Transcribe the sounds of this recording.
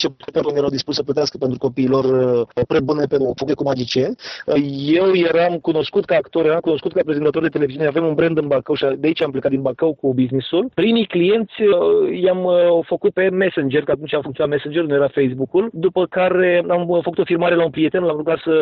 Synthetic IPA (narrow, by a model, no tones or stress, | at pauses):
t͡ʃeepeɾunjeɾawd̪ispusəplət̪easkəpent̪ɾuko̞piːlo̞rpɾebunepeufokut̪ekumad͡ʒit͡ʃenʲəje̞wje̞ɾamkuno̞skut̪̚kaːkt̪o̞ɾjeɾamkuno̞skut̪̚kapɾe̞zet̪at̪o̞rd̪et̪eleviziune̞ave̞munbɾend̪ɨnbakəwʃiad̪eait͡ʃamplekat̪d̪inbakəwkubiznisulpɾimijklije̞nt̪sʲəjamfəkut̪̚pe̞me̞send͡ʒerkəat̪unt͡ʃʲafuŋk̪ʲonamesend͡ʒe̞rnujeɾafejsbukuld̪upəkaɾe̞amfəkut̪o̞firmaɾe̞launpɾije̞t̪e̞nlamluɡat̪sə